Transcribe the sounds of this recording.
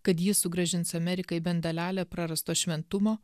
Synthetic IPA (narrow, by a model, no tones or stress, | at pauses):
kɐt̪jɪsʊɡɾɐʒʲɪnt̪sɐmʲɛɾʲɪkɐɪbʲɛnd̪ɐlʲæːlʲɛːpɾɑɾɐst̪oːʃʲʋʲɛnt̪ʊmoː